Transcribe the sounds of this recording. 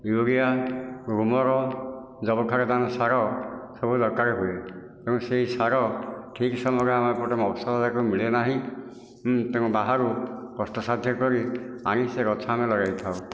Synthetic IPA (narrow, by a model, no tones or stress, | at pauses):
juɾijaɡɾumɔɾɔ | d͡ʒɔbɔkʰaɾɔd̪anɔsaɾɔsɔbʱud̪ɔɾkaɾeɦue | t̪eũseɦisaɾɔʈʰiksɔmɔɡɔamɔpɔʈɔmɔbɔsɔtad̪akumiɭenaɦĩ | t̪eũbaɦaɾukɔst̪ɔsad̪ʱjɔkɔɾiañiseɾɔt͡ʃʰamelɔɾajt̪ʰao